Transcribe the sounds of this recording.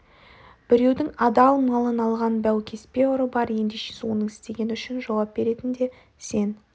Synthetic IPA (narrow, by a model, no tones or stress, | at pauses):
b̥ɪɾe̞wd̪ɪŋɑd̪ɑlˠməlˠənɑlˠʁɑnbæwkʲʰe̞spʲe̞ʊɾəbɑɾje̞nd̪eʃe̥sɪwo̞nəɴɪ̥st̪e̞ɡʲe̞nɪʏʃɪnʒɑwɑp̚b̥e̞ɾe̞t̪ɪnd̪e̞ | se̞n